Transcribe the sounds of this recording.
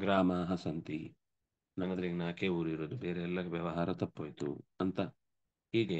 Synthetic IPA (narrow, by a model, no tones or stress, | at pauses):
ɡɾaːmaːɦɐsɐnt̪ḭ | nɐnːɐnd̪ɐɾiɡɐnaːkeːuːɾiɾoːd̪ubeːɾeːlːɐʋjɐʋɐɦaːɾɐt̪ɐpːoːjt̪ṵɐnt̪ɐ | ɦiːɡe